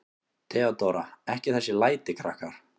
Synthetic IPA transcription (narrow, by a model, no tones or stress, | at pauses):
t̪ʰɛːat̪owɾaɛhcɪθɛsːɪlaːjt̪ɪkʰɾahkaɾ̥